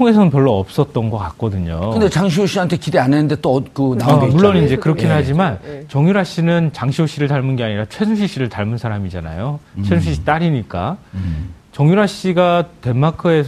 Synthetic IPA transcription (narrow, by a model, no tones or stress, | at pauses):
tʰoŋe̞sʰʌnɯnpjʌɭːoːp̚s͈ʌt̚t͈ʌnɡʌk͈ak̚k͈ʌdɯɲokɯndet͡ɕaŋɕ̬ʰioɕ͈iɦantʰekideanenɯnde̞t͈oʌt̚k͈onaoɡemuɭːonind͡ʑe̞kɯɾʌkʰinɦad͡ʑimant͡ɕʌŋjuɾɦaɕ͈inɯnt͡ɕaŋɕʰioɕ͈iɾɯɭt̬aɭmɯnɡe̞aɲiɾat͡ɕʰwe̞suɕ̬ʰiɕ͈iɾɯɭtaɭmunsʰaɾamid͡ʑana̰jot͡ɕʰwesuɕʰiɕ͈i̥t͈aɾiɲik͈a̰ | t͡ɕʌŋjuɾɦaɕ͈iɡate̞makʰɯe̞s